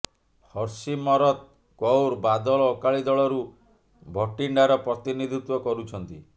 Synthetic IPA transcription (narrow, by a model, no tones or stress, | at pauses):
hɔɾsimɔɾɔt̪ | kɔwɾbad̪ɔɭɔːkaɭid̪ɔɭɔɾu | bʱɔʈiɳɖaɾɔpɾɔt̪inid̪ʱit̪wɔkɔɾut͡ʃʰɔnt̪i